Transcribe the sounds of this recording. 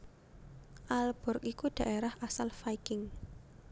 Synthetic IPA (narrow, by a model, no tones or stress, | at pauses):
ʔalb̥ɔ̤rkikud̪̥ä̤ʔeɾahasalfajkɪŋ